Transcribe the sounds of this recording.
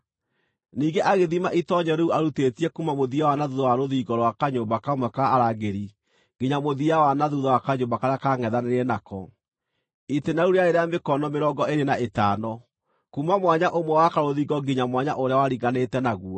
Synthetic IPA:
niːɡeʔaɣeðimaʔitɔɲɔɾeuaɾutetiɛkumamoðiawanaðuðɔwaɾoðiːɡɔɾwakaɲoːmbakamwɛkaːɾaɡeɾi | ɡeɲamoðiawanaðuðawakaɲoːbakaɾeakaŋɛðaneɾɛnakɔ | itenauɾeaeɾeamekɔnɔmeɾɔɡɔʔeɾenaetaːnɔ | kumamwaɲaʔomwɛwakaɾoðiːɡɔɡeɲamwaɲaʔoɾeawaɾiɡanetɛnaɣuɔ

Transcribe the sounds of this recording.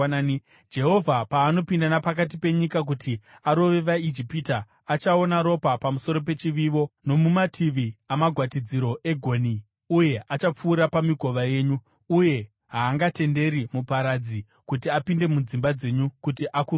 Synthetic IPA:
d͡ʒe̞ɦo̞vʱapaːno̞pindanapak̬at̬ipe̞ɲikak̬uti | aɾo̞ʋe̞ʋaid͡ʒipitaː | t͡ʃao̞naɾo̞papamuso̞ɾo̞p̬e̞t͡ʃiʋiʋo̞no̞mumatʰiʋiamaɡʱwatid͡ziɾo̞ʔe̞ɡʱo̞ːni | uje̞ʔat͡ʃap͡fuːɾapamiɡʱo̞ʋaje̞ːɲu | uje̞ | ɦaːŋɡate̞nde̞ɾimupaɾad͡zi | kutiapinde̞mud͡zimbad͡ze̞ɲukutiʔaku

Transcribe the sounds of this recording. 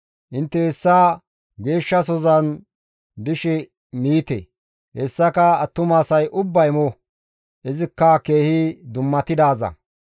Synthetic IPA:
ʔɪnt̪ːɛhɛsːaː | ɡe̞ːʃːɐs̬ɔzɐn | d̪ɪʃɛ | miːt̪ɛ̰ | hɛsːɐkɐɐt̪ːʊmaːsɐjʔʊbːɐjmɔ | ʔɛzɪkːɐke̞ːhɪd̪ʊmːɐt̪ɪd̪aːzɐ̰

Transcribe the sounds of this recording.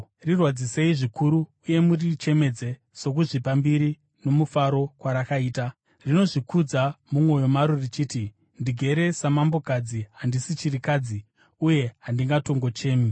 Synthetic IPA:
rirwad͡zise̞iʐikʰuɾuːje̞murit͡ʃe̞me̞d͡ze̞ | so̞k̬uʐipambiɾi | no̞mufaɾo̞kwaɾakaiːta | rino̞ʐikud͡zamumo̞jo̞maɾorit͡ʃiːti | ndiɡʱe̞ɾe̞samambo̞kad͡ziɦandisit͡ʃirikad͡zi | uje̞ɦandiŋɡato̞ŋɡo̞t͡ʃe̞ːmi

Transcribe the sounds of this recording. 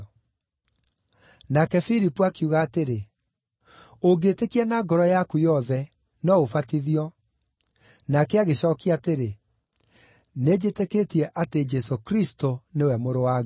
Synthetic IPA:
nakɛfilipuakiuɣaːteɾe | oɡeːtekiɛnaɡɔɾɔjakujɔðɛ | nɔofatiðiɔ | nakɛaɣeɕɔkiateɾe | ned͡ʒeteketiɛʔated͡ʒɛsokɾistonewɛmoɾowa

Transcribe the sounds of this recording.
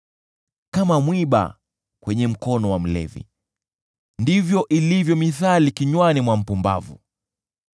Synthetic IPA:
kamamwiɓa̰ | kwɛɲɛm̩kɔnɔwam̩lɛ̰vḭ | ndivjɔʔilivjɔmiθalikiɲwanimwam̩pumba̰vṵ

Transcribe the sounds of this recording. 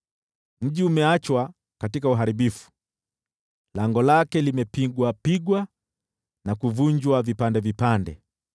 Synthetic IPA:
m̩ʄiumɛat͡ʃwa | katikauɦaɾiɓifu̥ | laŋɡɔlakɛlimɛpiɡwapiɡwa | nakuvuɲd͡ʒwavipandɛvipandɛ̰

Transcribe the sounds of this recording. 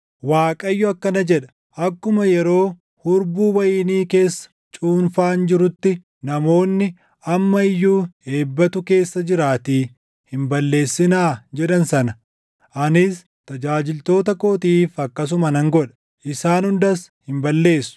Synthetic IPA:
waːkʼɐjːʊɐkːɐnɐd͡ʒɛᶑɐ̥ | ʔɐkːʊmɐjɛɾo̞ː | hʊɾbuːwɐjɪːniːke̞ːsːɐ̥ | t͡ʃʼuːnfaːnd͡ʒɪɾʊt̪ːɪ | nɐmo̞ːnːɪ | ɐmːɐɪjːuːe̞ːbːɐt̪ʊke̞ːsːɐd͡ʒɪɾaːt̪iː | hɪmbɐlːe̞ːsːɪnaːd͡ʒɛɗɐnsɐnɐ | ʔɐnɪs | t̪ɐd͡ʒaːd͡ʒɪlt̪o̞ːt̪ɐkoːt̪iːfɐkːɐs̬ʊmɐnɐŋɡɔᶑɐ̥ | ʔɪsaːnhʊnd̪ɐshɪmbɐlːe̞ːsːʊ̥

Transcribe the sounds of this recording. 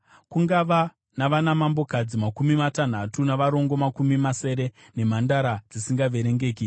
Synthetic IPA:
kuŋɡaʋa | naʋanamambo̞kad͡zimakumimatan̤atunaʋaɾo̞ŋɡo̞makumimase̞ɾe̞ | ne̞m̤andaɾad͡zisiŋɡaʋe̞ɾe̞ŋɡe̞ːk̬i

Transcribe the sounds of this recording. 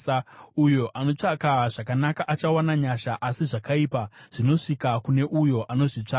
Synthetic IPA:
ujo̞ʔano̞t͡ʂakaʐakanakaʔat͡ʃawanaɲaʃaʔasiʐakaiːpaʐ̥ino̞ʂikakune̞ʔujo̞ʔano̞ʐit͡ʂa

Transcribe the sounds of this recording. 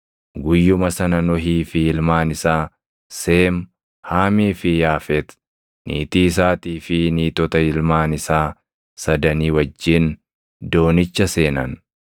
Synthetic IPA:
ɡʊjːʊmɐsɐnɐnɔɦiːfɪɪlmaːnɪsaː | seːm | haːmiːfɪjaːfɛt̪ | nʔḭːt̪iːs̬aːt̪iːfɪniːt̪ɔt̪ɐɪlmaːnɪsaː | sɐd̪ɐniːwɐd͡ʒːɪn | d̪o̞ːnɪt͡ʃːɐse̞ːnɐn

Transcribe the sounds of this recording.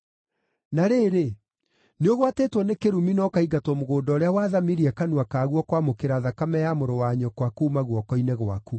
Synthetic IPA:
naɾeɾe | neoɣwateːtwɔnekeɾuminɔkaiɡatwɔmoɣoːdɔːɾeawaːðamiɾiakanuakaːɣwɔkwamokeɾaðakamɛjamoɾɔwaɲɔkwakuːmaɣwɔkɔinɛɣwaku

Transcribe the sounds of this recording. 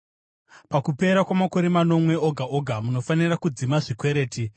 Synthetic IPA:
pakupe̞ɾakwamako̞ɾe̞mano̞mwe̞o̞ɡʱaʔo̞ɡʱamuno̞fanirakud͡zimaʐikwe̞ɾe̞ːti

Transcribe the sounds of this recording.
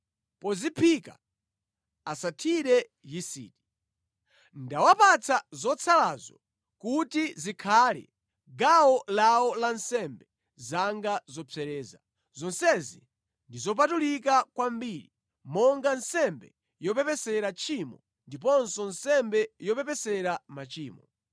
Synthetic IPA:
pɔzipʰika̰ | asatʰiɾɛ | jisḭːti̥ | ndawapat͡sʰazɔt͡sʰalazɔ̰ | kutizikʰalɛ̰ | ɡawɔlawɔlansɛmbɛ | zaŋɡazɔpʰɛɾɛːza | zɔnsɛzḭ | ndizɔp̬atulikakwambiɾi | mɔŋɡansɛmbɛ | jɔpɛpɛsɛɾat͡ʃʰimɔ | ndip̬ɔnsɔnsɛmbɛjɔpɛp̬ɛsɛɾamat͡ʃiːmɔ

